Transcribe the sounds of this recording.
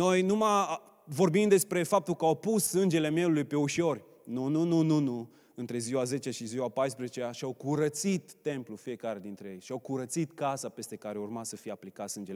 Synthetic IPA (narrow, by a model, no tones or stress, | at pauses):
no̞jnumaj | vo̞rbimd̪e̞spɾe̞fap̚t̪ulkəawpusːɨnd͡ʒe̞le̞me̞ulujpe̞uʃo̞rʲ | nununununu | ɨnt̪ɾe̞ziwaze̞t͡ʃeaʃiziwapajspɾezet͡ʃeaʃiawkuɾət̪sit̪ːe̞mplufije̞kaɾe̞d̪int̪ɾeje̞jʃiawkuɾət̪sit̪kasape̞st̪e̞kaɾeurmasəfijaplikat̪sɨnd͡ʒel